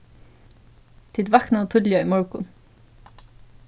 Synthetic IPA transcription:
t̪ʰɪd̪ʋɑknɑoːt̪ʰʉd̪lɪɑimɔɹkʊn

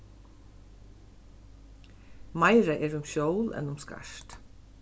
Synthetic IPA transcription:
maɪɾaʔɛːɹʊmʃowlɛ̰nʊmska̰ʃt̪

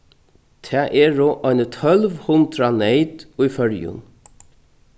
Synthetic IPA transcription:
t̪ʰæːʔɛːɹoːʔɔʏnət̪ʰœlʋhʊnd̪ɾaneɪt̪ʊjfœɹjʊ̰n

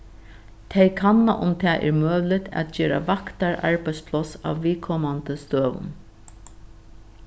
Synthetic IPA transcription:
t̪ʰejkʰanːa̰ʔʊmt̪ʰɛːʔɛ̰ɹmøːʋlɪt̪ʰæ̰t̪̚d͡ʒɛːɾa̰vakt̪aɹa̰ɹpajspʰlɔsa̰wːiːkʰɔmant̪əst̪øːʋʊ̰n

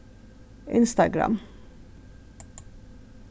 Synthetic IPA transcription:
ʔɪnst̪ɑɡɾɑ̰m

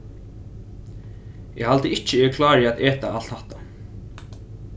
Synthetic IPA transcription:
ɛhalt̪əɪht͡ʃːɪɛɪkʰlaːɹɪat̪ɛːt̪aal̥t̪haht̪a

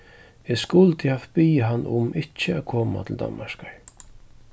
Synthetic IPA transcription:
ɛskʊlt̪ɪhaft̪piːɦanːʊmɪt͡ʃɪakʰoːma̰t̪ʰɪld̪a̰nmaʃkaɹ

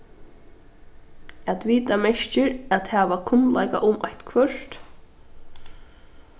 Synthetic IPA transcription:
ɛt̪ʋiːt̪amɛʃt͡ʃɪɾæt̪hæːʋakʰʊnla̰jka̰ʔʊmaht̪kʰvœɹ̥t̪

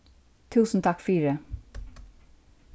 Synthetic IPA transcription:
t̪ʰʉːsn̩t̪ʰɑkfyːɾə

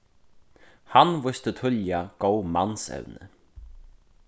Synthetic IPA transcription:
hanvʊst̪ət̪ʰʏljaɡ̥owmansɛ̰wnə̰

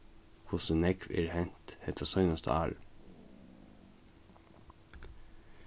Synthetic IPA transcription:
kʰʊsənɛkʰʋḛːɾhɛnt̪hɛt̪ʰɑsœʏnɑst̪ə̰æ̰ːɾ

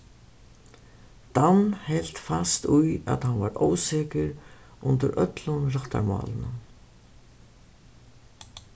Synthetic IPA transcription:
t̪anhɛl̥t̪fast̪uja̰ðhanvaɾoːwsɛːkɪɾ | ʔʊnt̪ɪɾʔœt̪lʊnrɔht̪a̰ɾma̰ːlɪnʊ

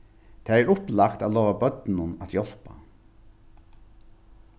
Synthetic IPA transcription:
t̪ʰeːæɾʊplakt̪aːlɔːʋabœt̪nʊnat̪jɔl̥pa̰

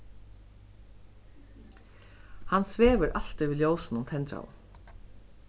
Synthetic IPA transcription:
hansʋeːʋəɾʔal̥t̪ɪvɪljoːwsnʊmt̪ʰɛnt̪ɾa̰l

